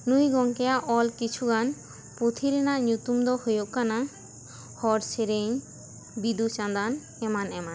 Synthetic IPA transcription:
nujɡɔŋkɛjaʔɔlkit͡ʃʰuɡan | put̪ʰiɾɛnaʔɲut̪umd̪ɔhojoʔkana | hɔɾt͡ʃʰeɾeɲ | bid̪ut͡ʃãnd̪an | ɛmanɛman

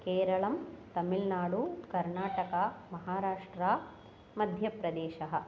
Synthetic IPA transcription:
keːɾɐɭɐmt̪ɐmilnaːɽukɐɾnaːʈɐkamɐɦaːɾaːʂʈɾaː | mɐd̪ʱjɐpɾɐd̪eːʃɐɦɐ̆

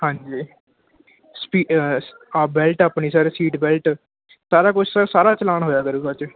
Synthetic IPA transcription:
hãːɲd͡ʒiː | spiː | abɛːlʈaːpniːsaːɾsiːʈbɛːlʈ | saːɾaːkʊt͡ʃʰsasaːɾaːt͡ʃəlaːnɦoːjaːkəɾuːɡaːt͡ʃ

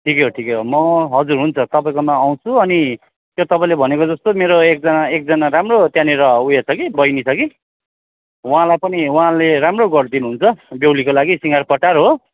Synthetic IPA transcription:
ʈʰikeɦoʈʰikeɦomʌɦʌd͡zurɦunt͡sʰʌt̪ʌpaĩkomãːw̃t͡sʰuʌni | t̪jot̪ʌpãĩlebʱʌnekod͡zʌst̪omeɾoek̚d͡zʌnaek̚d͡zʌnaɾamrot̪janiɾʌujet͡sʰʌkibʌjnit͡sʰʌki | uɦãlajpʌniuɦãleɾamroɡʌɽd̪inuɦunt͡sʰʌbewlikolaɡisiŋɡarpʌʈarɦo

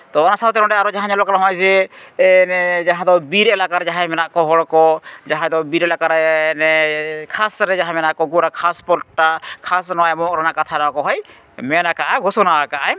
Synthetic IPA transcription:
t̪ɔɔnasat̪ɛɾɔ̃ɖɛaɾɔd͡ʒaɦãɲalɔkɾaɦɔ̃jd͡ʒɛ | d͡ʒaɦãd̪ɔbiɾɛlakaɾd͡ʒaɦãjmɛnaʔkɔɦɔɽkɔd͡ʒaɦãd̪ɔbiɾɛlakaɾnɛkʰasɾɛd͡ʒaɦãmɛnaʔkɔɡuɾakʰaspɔlʈakʰasnɔwajmɔkɾanakat̪ʰanakɔɦɔj | mɛnakaʔaɡɔsɔnaakaʔaj

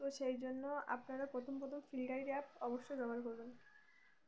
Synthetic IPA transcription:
oʃejd͡ʑonːoa̰pnaɾapɾot̪ʰompɾot̪ʰomfilɖajɾap̚ʰɔboʃːojd͡ʑɔbʱalkoɾben

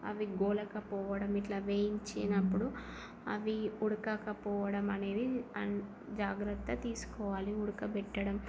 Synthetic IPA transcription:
ɐ̰ʋiɡɔːlɐkɐpɔːʋɐɽɐmiʈlɐʋeːjiɲt͡ʃinɐpːuɽu | ɐ̰ʋiuɽukɐkɐpɔːʋɐɽɐmɐne̞ːd̪iɐ | d͡ʒaːɡɾɐt̪ːɐt̪iːsu̥kɔːʋaːliuɽukɐbɛʈːɐɽɐm

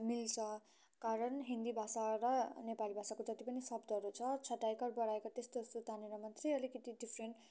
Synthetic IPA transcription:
milt͡sʰʌ | kaɾʌnɦind̪ibʱasaɾʌnepalibʱasakod͡zʌt̪ipʌnisʌbd̪ʌɦʌɾut͡sʰʌt͡sʰʌʈːajkʌrbʌɽaekat̪est̪ost̪ot̪aneɾamʌnt̪reʌlikʌt̪iɖipʰreɳʈ

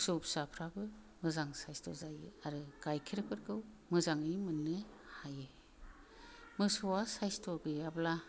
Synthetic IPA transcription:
sɯpsapʰɾabɯ | mɯzaŋsajstɔ̰zajɯaɾɯɡ̥ajkʰiɾɯkʰɯɾɡɯw | mɯzaŋɯjmɯnːɯhajɯ | mɯsɔwasajstɔɡɯjabla

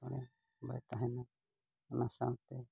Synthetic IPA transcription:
kɔɽ̃ɛ | ba̰jt̪aɦɛna | ɔnasawt̪ɛ

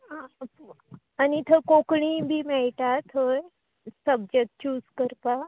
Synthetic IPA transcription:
ã | anit̪ʰokokɳ̃ĩbʱiːmɛɭʈ̪at̪ʰoj | səb̚d͡ʑek̚ʈ̚t͡ɕuːskəɾpa

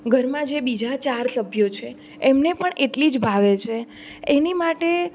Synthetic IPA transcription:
ɡʱəɾmãd͡ʒebid͡ʒat͡ʃaɾsəbʱjot͡ʃʰe | emnepəɳeʈlid͡ʒbʱaʋet͡ʃʰe | enimaʈe

